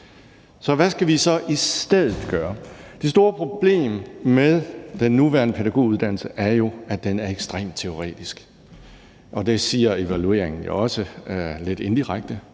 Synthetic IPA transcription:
sɒ̽ʋæsɡ̥æʋisɒ̽ʔisd̥eð̞̰ˠð̩ˠɡ̥ɶːɐd̥e̝s̬d̥o̝ːɐpʰʁo̝b̥le̝̰ːmmeðˠd̥enːuʋæɐnəpʰedæɡ̥o̝̰uðˠd̥æn̰l̩səʔæɐjo̝æd̥enæɐeɡ̥sd̥ʁɛ̰ːmd̥̚t͡sʰe̝o̝ʁɛ̰ːd̥isɡ̥ | ʔɒ̽d̥e̝siːɐe̝ʋælue̝̰ːɐ̰eŋn̩jo̰ɒ̽səle̝d̥e̝nd̥iʁaɡ̥̚d̥ə

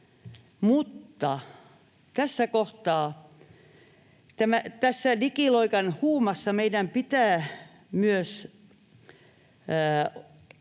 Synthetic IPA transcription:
mut̪ːɑ | t̪æsːækoht̪ɑː | t̪æmæt̪æsːænikiloikɑnhuːmɑsːɑmeidæmpit̪æː | myøs

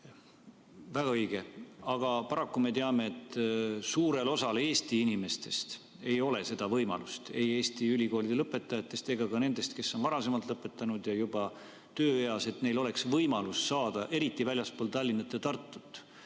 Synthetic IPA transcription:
væɡɑɤjɡ̥eɑɡ̥ɑpɑɾɑkːume̞t̪eɑme̞et̪ːsuːɾe̞lo̞sɑle̞ːst̪iinime̞st̪e̞st̪ | e̞jo̞le̞se̞d̪̥ɑvɤjmɑ̰lust̪e̞jeːst̪iylʲiko̞ːlid̪̥eɤpːˑe̞t̪ːˑɑjɑt̪ːˑe̞st̪e̞ɡɑkɑne̞nd̪̥e̞st̪ke̞sːo̞nvɑɾɑse̞mɑlt̪lɤpːˑe̞t̪ːˑɑnud̪jɑjub̥ɑ | t̪øːeɑse̞t̪ne̞jlo̞le̞ksvɤjmɑlusːɑːd̪̥ɑʔe̞ɾit̪ːˑivælʲjɑspoːlt̪ɑlʲːinːɑt̪ːˑet̪ɑrt̪ˑːu̥t̪ːˑ

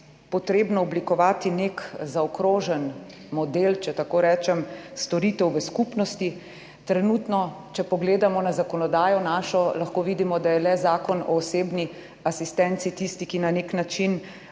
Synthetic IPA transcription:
pɔt̪ɾeːbnɔɔblikɔʋaːt̪inekzaɔkɾoːʒɛn | mɔd̪elt͡ʃɛt̪akoːɾɛːt͡ʃɛmst̪ɔɾiːt̪ɛwʋəskupnɔst̪i | t̪ɾɛnut̪nɔ | t͡ʃɛpɔɡleːd̪amɔnazakɔnɔd̪aːjɔnaːʃɔlaxkoːʋid̪imɔd̪ajɛlɛzaːkɔnɔ̰ːseːbni | asist̪ɛnt̪sit̪ist̪ikinaneknat͡ʃin

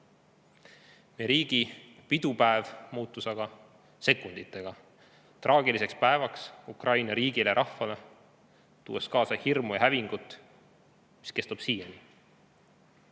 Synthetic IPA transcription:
neɾiːɡ̥ipid̪̥upæevmuːt̪ːˑusɑɡ̥ɑ | se̞kːund̪̥it̪ːˑe̞ɡ̥ɑ | t̪rʔɑːɡilise̞kspæe̞vɑksukrɑjnɑɾiːɡ̥ileɾʔɑhːɑle̞ | t̪uːeskɑːsɑhirmujɑɦæviŋɡ̥ut̪ːˑ | mi̥ske̞st̪ub̥siːjeni

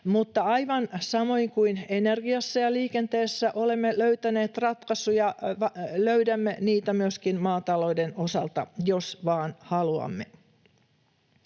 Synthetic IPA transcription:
mut̪ːɑɑjʋɑnsɑmo̞iŋkuinenerɡiɑsːɑjɑliːkent̪eːsːæʔo̞le̞mːeløyt̪æne̞ːt̪rɑt̪kɑsujɑʋɑløydæmːeniːt̪æmyøskinmɑːt̪ɑlo̞ideno̞sɑlt̪ɑ̰jo̞sʋɑːnhɑluɑ̰mːḛ

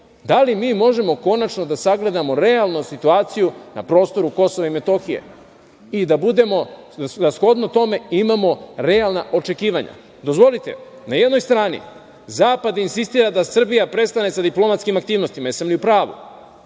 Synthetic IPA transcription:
d̪alimiːmo̞ʒe̞mo̞ko̞nat͡ʃno̞d̪asaɡle̞d̪amo̞ɾe̞alˠnosit̪uaːt̪sijuna̰pɾo̞ːst̪o̞ɾuko̞so̞ʋaime̞t̪o̞xijḛ | id̪abud̪e̞mo̞d̪asxo̞d̪not̪o̞me̞imamo̞ɾealˠnaʔo̞t͡ʃe̞kiːʋaɲa̰ | d̪o̞zʋo̞lit̪e̞̰ | naje̞d̪no̞jst̪ɾaːnḭ | zaːpad̪insist̪iːɾad̪asr̩bijapɾe̞tst̪ane̞sad̪iplo̞mat̪skimak̚t̪iːʋno̞st̪imaesamlʲiupɾaːʋṵ

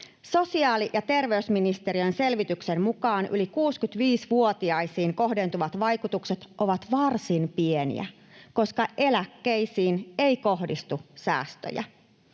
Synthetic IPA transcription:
so̞siɑːlijʔɑt̪e̞rʋe̞ysminist̪e̞ɾiønse̞lʋit̪yksemmukɑːnʔy̰likuːskyt̪ʋiːsʋuo̞t̪iɑjsiːŋko̞ɦde̞nt̪uʋɑt̪ʋɑjkut̪ukset̪ʔo̞ʋɑt̪ʋɑrsinpienḭæ̰ | ko̞skɑʔe̞lækːejsiːneiko̞ɦdist̪usæ̰ːst̪ø̰jæ̰

